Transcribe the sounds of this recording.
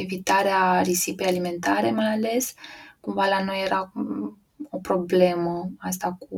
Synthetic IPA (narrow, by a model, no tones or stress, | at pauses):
evit̪aɾearisipe̞jalime̞nt̪aɾe̞majale̞skumvalano̞jeɾʔa | o̞pɾo̞ble̞məas̬t̪aku